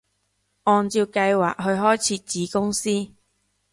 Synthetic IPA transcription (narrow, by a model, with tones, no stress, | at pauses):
ʔɔː˨˧nt͡siː˧wkɐ˧jwaː˨k̚ɦɵ˧ɥɦɔː˥jt͡sʰiː˧˥t͡siː˨˥kʊ˥ŋsiː˥